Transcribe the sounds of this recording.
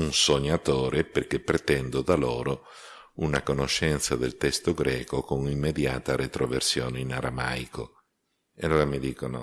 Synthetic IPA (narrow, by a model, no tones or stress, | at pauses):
unsoɲːat̪oːɾeperkepːɾet̪ɛnd̪od̪aloːɾo | unakonoʃːɛnt̪sad̪elt̪ɛst̪oɡɾɛːkokonimːed̪ja̰ːt̪aɾet̪ɾoversjoːneinaɾama̰jkʰo | eloːɾamid̪iːkono̰